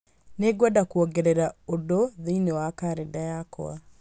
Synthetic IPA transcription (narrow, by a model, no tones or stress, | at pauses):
neɡwadakuɔɡɛɾɛɾaodoðeinewakaɾedajakɔ̰a̰